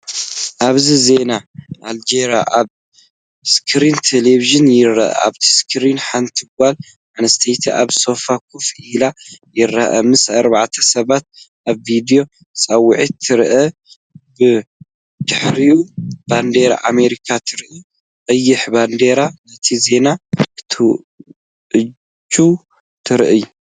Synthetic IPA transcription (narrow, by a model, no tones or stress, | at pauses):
ʔaβzize̞naʔald͡ʒeɾa̰ʔaβ | skʰɾint̪ʰeleβiʒɨnjɪɾɐ̰ʔɐ̰a̰βt̪ʰi̥skʰɨɾinħant̪ʰɨɡ̚ʷal | manɐst̪ʰejt̪ʰḭʔa̰βso̞fakʰufʔilajɪɾːɐʔɐ̰mɨsɐɾbaʕt̪ʰɐ̥sɐβat̪̚ʔaβvid̪ijo̞ | t͡sʼɐwːʊʕit̪ʰːɨɾʔɐ | bɨ | d̪ɨħɾijuband̪eɾa̰ʔameɾikʰat̪ʰɨɾʔi | qʼɐjːɪħband̪eɾanɐt̪ʰize̞nat̪ʰu | ʔɨ | d͡ʒu | t̪ʰɨɾʔɨ